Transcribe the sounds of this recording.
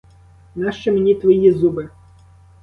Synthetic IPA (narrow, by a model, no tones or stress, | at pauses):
nɑʃt͡ʃɛmenʲit̪ʋɔjizubɪ